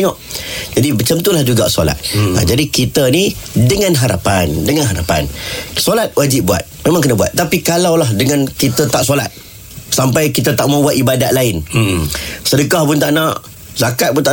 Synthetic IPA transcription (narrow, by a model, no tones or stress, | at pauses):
ŋɔʔd͡ʒadibət͡ʃamt̪ulahd͡ʒuɡa̰so̰la̰t̪̚a̰d͡ʒadikit̪ənidəŋãnɦaɾa̰pandəŋanɦaɾapa̰nsolat̪̚wad͡ʒɪp̚bua̰t̪̚memaŋkənəbua̰t̪ːapikalawlaɦdəŋãnkit̪ət̪aʔsola̰t̪̚ | sampajkit̪ət̪aʔmabuat̪ibadaʔ̪̚laɪn | sədəkahpʊnt̪aʔnaʔ | zakat̪̚bʊnt̪a